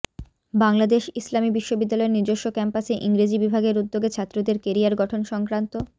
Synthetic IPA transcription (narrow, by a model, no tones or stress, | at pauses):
baŋlad̪eʃislamibiʃːobid̪ːalɔeɾniɾd̪oʃːokɛmpaseʔiŋɾid͡ʑibibʱaɡeɾud̪ːoɡet͡ɕʰat̪ːɾod̪eɾkeɾiaɾɡɔʈʰonʃɔŋkɾant̪o